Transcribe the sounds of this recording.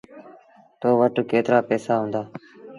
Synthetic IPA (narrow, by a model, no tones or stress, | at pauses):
t̪oːʋəʈkeːt̪ɾaːpɛːsaːɦʊ̃nd̪aː